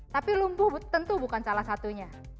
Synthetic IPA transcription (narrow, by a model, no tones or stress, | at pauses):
t̪apilumbʊbt̪ənt̪ubukansalahsat̪uɲa